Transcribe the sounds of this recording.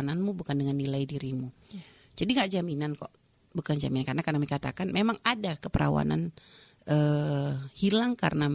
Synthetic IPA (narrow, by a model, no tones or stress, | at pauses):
nanmubukandəŋanːilajdiɾimu | d͡ʒadiŋɡaʔd͡ʒaminankɔ̰ʔ | bukand͡ʒaminankaɾənakarnamikat̪a̰kanmemaŋadakəpəɾʔa̰wa̰na̰n | ʔə | hilaŋka̰rəna